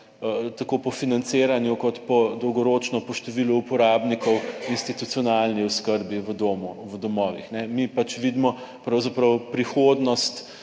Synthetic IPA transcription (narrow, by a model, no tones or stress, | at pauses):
t̪akopɔfinant̪seɾanjukɔt̪pɔd̪ɔwɡɔɾoːt͡ʃnɔpɔʃt̪oʋilɔupɔɾabnikɔwinst̪it̪ut̪sijɔnalniɔskəɾbiʋəd̪oːmuʋəd̪ɔmɔːʋḭxnɛmipat͡ʃʋid̪mɔpɾawzapɾɐwpɾixod̪nɔst̪